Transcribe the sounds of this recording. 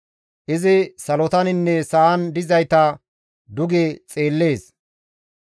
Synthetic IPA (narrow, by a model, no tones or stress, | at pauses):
ʔɪzɪsɐlɔt̪ɐnɪnːɛsɐɐnd̪ɪzɐjt̪ɐ | d̪ʊɡet͡sʼe̞ːlːe̞ːs